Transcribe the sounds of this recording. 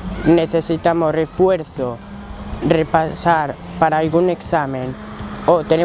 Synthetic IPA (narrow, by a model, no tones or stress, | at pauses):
neθesit̪amorefweɾθo | repasaɾ | paɾaːlɣuneksamẽn | ot̪ene